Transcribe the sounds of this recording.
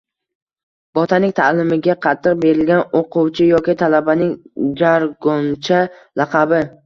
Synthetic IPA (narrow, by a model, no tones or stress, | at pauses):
b̥ɒt̪ʰanɪŋt̪ʰalɪmɪɡʲaqʰɑt̪ʰːɨq̚be̞ɾɪlɡʲanoqʊwt͡ʃʰɪjɒkʲɪt̪ʰalabanɪŋd͡ʒaɾɡɔnt͡ʃʰa | lɑqʰɑbɪ